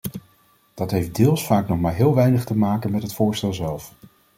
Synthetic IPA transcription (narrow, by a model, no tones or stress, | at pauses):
d̥ɑtɦejfdɪːlˠsfaːknɔχmaːɹɦɪːlˠʋɛjnəχtəmaːkənmɛtɦətfʊːɹstɛlˠzɛlˠf